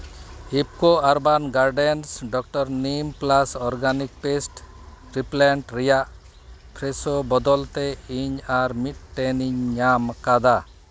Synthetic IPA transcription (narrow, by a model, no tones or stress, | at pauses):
ip̚kɔaɾbanɡaɾɖɛnsɖɔk̚ʈɔɾnimplasɔɾɡanik̚pesʈ | ʈɾiplaɳʈɾɛjaʔ | pʰɾɛsɔbɔd̪ɔlt̪ɛiɲaɾmit̪̚ʈɛniɲːamkad̪a